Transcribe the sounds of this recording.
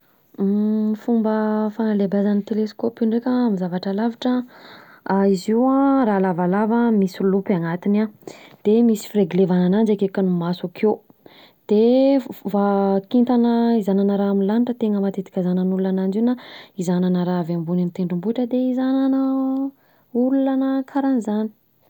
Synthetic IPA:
mifumbəfanalebazanit̪eleskopuɳɖ͡ʐekʲaamizavaʈ͡ʂalavaʈ͡ʂə | aiziwaɾalavalavamisulupaŋat̪inad̪̥emisi̥fiɾeɡlevananand͡ʒekekanumasakʰe | d̪̥evakint̪anəizananəɾaaminlaniʈ͡ʂət̪eŋəmat̪et̪i̥kʲazanənulunanand͡ʒinaizananəɾaavambunant̪eɳɖ͡ʐimbuʈ͡ʂəd̪eizananə | ululanəkʰaɾanizani̥

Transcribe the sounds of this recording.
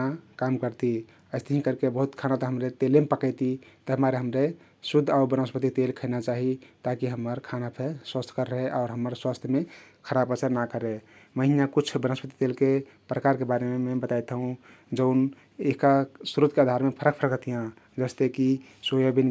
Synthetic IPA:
akamkəɾt̪i | əɪst̪eɦĩkəɾkebəɦut̪kʰanat̪əɦəmɾet̪elemepəkəɪt̪it̪əɦəmaɾeɦəmɾe | sud̪ʱauɾbənəspət̪it̪elkʰəɪnat͡ʃaɦit̪akiɦəməɾkʰanapʰeswəst̪ʰkəɾːəɦeʔaʊɾɦəməɾswast̪ʰjmekʰəɾabət͡ʃəɾnakəɾe | məɦinakut͡ʃʰbənəspət̪i̥t̪elke | pɾəkaɾkebaɾememebət̪ajt̪ũ | d͡ʒəʊn | ekasuɾut̪kead̪ʱaɾmepʰəɾək̚pʰəɾəkt̪ʰijã | d͡ʒəst̪eki | sojobin

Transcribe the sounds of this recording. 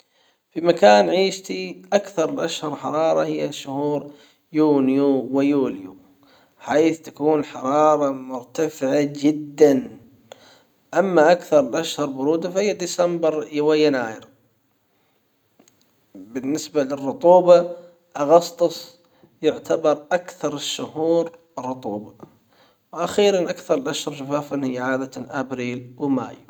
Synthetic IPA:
fimakaːnʕiːʃt̪iʔakθɑɾˤlʔaʃhɑɾˤħɑɾˤɑːɾˤɑhɪjːaʃʊhuːɾ | juːnjuwɪjuːljṵ | ħaːθt̪ḁkuːnħɑɾˤɑːɾˤɑmʊɾt̪afɪʕad͡ʒɪd̪ːan | ʔamːaʔakθɑɾˤɪlʔaʃhɑɾˤbʊɾuːd̪afahɪjːad̪isambɪɾjawajːanaːjɪ̰ɾ | bɪnːɪsbalɪrːʊt̪ˤuːbɑ | ʔɑɣɑsˤt̪ˤɨsˤ | jɪʕt̪ʰabɑɾˤʔakθɑɾˤɪʃːʊhuːɾ | rˤːʊt̪ˤuːbɑ | wʔaxiːɾanʔakθɑɾˤɪlʔaʃhɑɾˤʃafaːfanhɪjːaʕaːd̪aʔabɾiːlwɪma̰ːj

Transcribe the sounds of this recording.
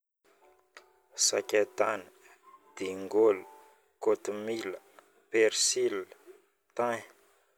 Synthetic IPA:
sakʲat̪anə | d̪̥iŋɡolu | kot̪umilə | peɾsil | t̪aɲ

